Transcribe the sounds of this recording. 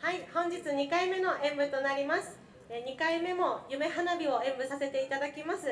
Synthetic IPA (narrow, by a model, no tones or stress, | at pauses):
haihõ̞ɲ̟d͡ʑit͡sɨɲ̟ikaime̞no̞ʔẽ̞mbɯ̟t̪o̞naɾʲimasɨ̥ | ɲ̟ikaime̞mo̞jɯ̟me̞ɦanabʲio̞ẽ̞mbɯ̟sase̞t̪e̞it̪ad̪akʲimasɨ